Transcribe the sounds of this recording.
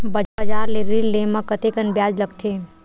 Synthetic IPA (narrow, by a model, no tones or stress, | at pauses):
bəəd͡ʒaːɾleɾilːemãkət̪ekənbjad͡ʒləɡt̪ʰe